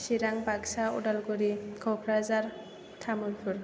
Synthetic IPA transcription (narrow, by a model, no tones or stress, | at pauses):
ʃiɾaŋpaɡsaṵɖalkoɾikʰokʰɾazaɾ | t̪ʰamuɾpʰuɾ